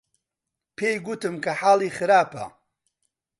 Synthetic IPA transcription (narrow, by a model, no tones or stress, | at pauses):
pʰejɡut̪ɨmkʰɐħaːlˠiːxɨɾaːpɐ̰